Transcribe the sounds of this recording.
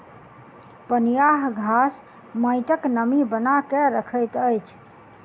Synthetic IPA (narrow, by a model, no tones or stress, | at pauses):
pənjaɦɡʱas | məɪʈəknəmibənakɛɾəkʰəjt̪əjt͡ʃʰ